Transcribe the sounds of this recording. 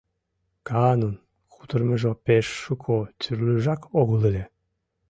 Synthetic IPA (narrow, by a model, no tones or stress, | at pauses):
kɑnun | xut̪ərmeʒopeʃːukʰot͡syrlʲyʒɑkoɣəlelʲe